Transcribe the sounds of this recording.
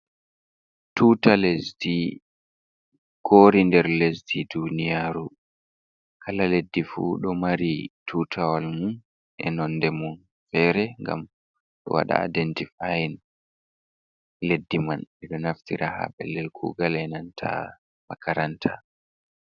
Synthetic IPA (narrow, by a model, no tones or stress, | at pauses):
tutalesdi | koːɾindɛɾlesdidunijaɾu | kʰalaledːifṵɗɔmaɾitʰutʰawalmun | ʔɛ̰nɔnːdɛmun | fɛɾɛŋɡa̰m | ɗɔ̰wa̰ɗa̰a̰dɛntifajin | ledːimanɛɗɔnaftiɾʔaha̰ɓɛlːɛlkʰṵːɡalɛnantʰa̰ | makaɾantʰa